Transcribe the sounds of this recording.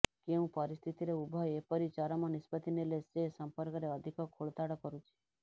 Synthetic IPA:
keɦũpəɾist̪ʰit̪iɾeubʱajepəɾit͡ʃaɾomãnɪspət̪ʰinelesesəmpəɾkəɾeəd̪ʱikokʰoɭt̪aɽəkəɾũt͡ʃʰe̥

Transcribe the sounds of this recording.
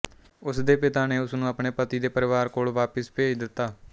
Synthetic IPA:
ʊsd̪eːpɪt̪aːneːʊsnũːəpɳeːpət̪iːd̪eːpəɾɪʋaːɾkoːlʋaːpəspeːd̪ɪt̪ːaː

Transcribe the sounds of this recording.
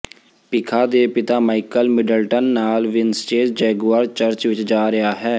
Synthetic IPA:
pɪkʰaːd̪eːpɪt̪aːmaːɪkəlmɪɖəlʈənːaːlʋɪnsʈeːd͡ʒd͡ʒɛːɡuaːɾt͡ʃəɾt͡ʃʋɪt͡ʃd͡ʒaːɾɪɦaːɦɛː

